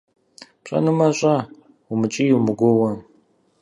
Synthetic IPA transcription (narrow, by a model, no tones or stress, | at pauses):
pɕʼɐ̰nɨmɐɕʼɐ | umɨt͡ʃʼiːjuwmɨɡʷʊwɐ